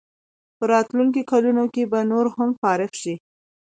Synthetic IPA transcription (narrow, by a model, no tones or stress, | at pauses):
pəɾɑt̪luŋk̬okalunokebanoɾhamfɑɾɪfʃi